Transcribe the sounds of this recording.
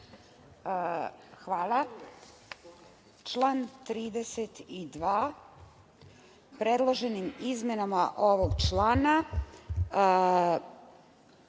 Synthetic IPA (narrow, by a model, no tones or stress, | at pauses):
xʋaːlˠa | t͡ʃlˠaːnt̪ɾiːd̪eset̪id̪ʋaː | pɾed̪lˠoʒe̞nimizmenamaʔo̞ʋoɡt͡ʃlˠaːna